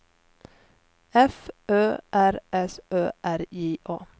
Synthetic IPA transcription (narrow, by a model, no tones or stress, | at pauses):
ɛfʔøːʔæɾʔɛsøːʔæɾiːʔoː